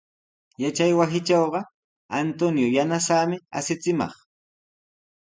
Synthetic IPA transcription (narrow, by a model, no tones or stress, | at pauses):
jat͡ʃajwasɪt͡ʃɑwɢɑ | ant̪onjojanasaːmɪa̰sɪt͡sɪmɑ̰χ